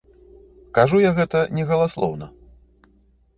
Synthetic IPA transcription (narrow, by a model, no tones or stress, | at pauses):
kaʐujaɣɛt̪ɐnʲɛɣɐlˠaslˠɔ̰wnɐ